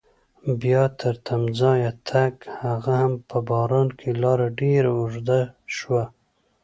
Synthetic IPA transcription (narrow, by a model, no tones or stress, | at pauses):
bjɑt̪ʰəɾt̪ʰamzɑjat̪ʰakhaɣahampəbɑɾɑnkʰelɑɾaɖeɾaʊʐd̪aʃwa